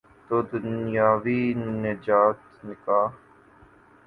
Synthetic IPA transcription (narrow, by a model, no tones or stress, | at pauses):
t̪oːd̪ʊnjaːʋiːned͡ʒaːt̪nɪkaː